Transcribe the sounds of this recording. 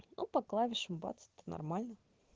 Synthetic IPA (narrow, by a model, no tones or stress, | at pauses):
nupɐklˠavʲɪʂɨmbɑ̰t̪sə̥t̪ənɐ̰rmalʲnɐ